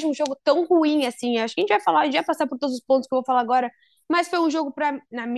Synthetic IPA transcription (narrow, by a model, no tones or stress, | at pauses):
d͡ʒɪũʒoɡʊt̪ɐ̃w̃huĩasĩewaʃkɐẽt͡ʃɪvajfalaɾʒẽt͡ʃɪvajpasaɾpoɾt̪od̪ʊzʊspõt̪ʊskewvowfalaɾaɡɔɾɐ | mɐsfojũʒoɡʊpɾɐnɐm